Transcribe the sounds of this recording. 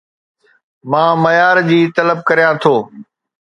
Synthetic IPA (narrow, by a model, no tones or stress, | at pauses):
mãːmɐjaːɾd͡ʑiːt̪ɐləb̚kəɾijãːt̪ʰoː